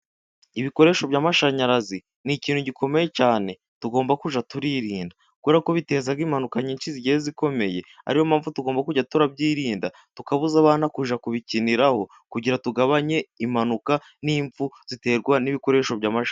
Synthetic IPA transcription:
iβiko̞ɾe̞ːʃo̞bjaːmaʃaɲaɾazi | niciːnhuɟikʰo̞me̞je̞caːne̞ | tuɡo̞ːmbakuʒatuɾiɾiːnda | kweɾako̞βite̞ːzaɡimanukaɲiːnt͡ʃiziɟiheziko̞me̞je̞ | a̰ɾihomaːɱvutuɡo̞ːmbakuɟatuɾab̚ɟiːɾiːnda | tukaβuzaβaːnakuʒakuβiciniɾaho̞ | kuɟiɾatuɡaβaɲe̞imanuka | niːɱfuz̥ite̞ːɾɡwaniβiko̞ɾe̞ːʃo̞βɟaːmaʃa

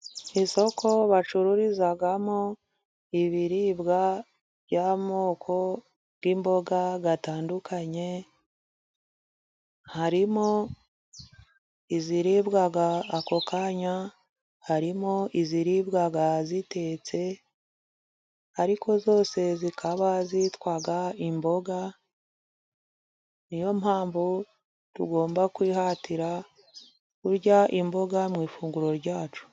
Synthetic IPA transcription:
iso̞kʰo̞βat͡ʃuɾuɾizaɡamo | iβiɾibɡa | βjaːmo̞ːkʰo̞ | βɡimbo̞ɡaɡataːndukʰaɲe̞ | haɾimo | iziɾibɡaɡaːko̞kaɲa | haɾimoʔiziɾibɡaɡazite̞t͡se̞ | aɾiko̞zo̞ːse̞zikʰaβazitwaɡaimbo̞ɡa | nijo̞mhaːmvu | tuɡo̞ːmbakwiːhatiɾa | kuɾɟaʔimbo̞ɡamŋiːfuːŋɡuɾo̞ɾɟaːt͡ʃu̥

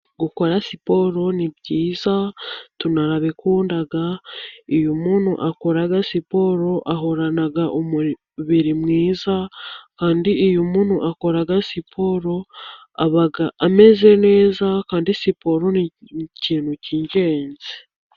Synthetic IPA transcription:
ɡuko̞ɾasipo̞ɾo̞nibɟiːzatunaɾaβikuːndaɡaijumuːn̥hṵʔako̞ɾaɡasipo̞ɾo̞ʔaɦo̞ɾanaɡaʔomu | βiɾimŋiːzakaːndiːjumuːn̥huʔako̞ɾaɡasipʰo̞ɾo̞ | aβaɡaʔame̞ze̞ne̞ːzakaːndisipo̞ɾo̞niciːn̥huciɲɟe̞ːnze

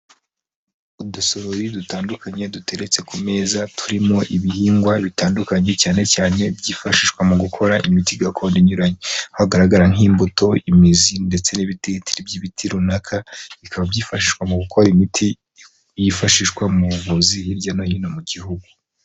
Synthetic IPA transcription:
udusoɾoɾidutaːndukaɲe̞dutʰe̞ɾe̞t͡se̞kume̞ːzatʰuɾimo̞ʔiβihiːŋɡwaβitaːndukaɲe̞caːne̞caːne̞bɟiːfaʃiʃkwamuɡukʰo̞ɾaʔimitiɡakʰo̞ːndiɲuɾaɲehaɡaɾaɡaɾaŋiːmbuto̞imizinde̞t͡se̞niβititiɾibɟiβitʰiɾunakʰaβikʰaβabjiːfaʃiʃkwamuɡukʰo̞ɾimitʰi | jifaʃiʃkwamuɾuvuziiɾɟanojinomuɟihuɡu

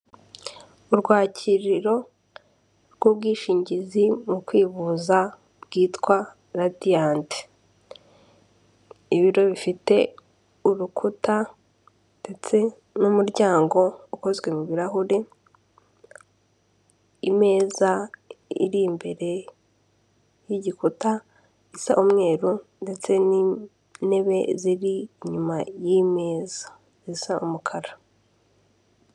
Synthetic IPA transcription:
uɾɡwaːcʰiɾiɾo̞ | ɾɡwobɡiːʃiːɲɟizimukwiːβuza | bɡiːtkwa | ɾadijaːnte̥ | iβiɾo̞βifite̞ | uɾukʰuta | nde̞t͡se̞ | numuɾɟaːŋɡo̞uko̞zɡwe̞muβiɾaɦuɾi | ime̞ːzaḭɾimbe̞ɾe̞ | jiɟikuta | isaʔumŋe̞ːɾunde̞t͡se̞ni | ne̞βe̞ziɾiːɲumajime̞ːzḁ | zisaʔumukʰaɾa

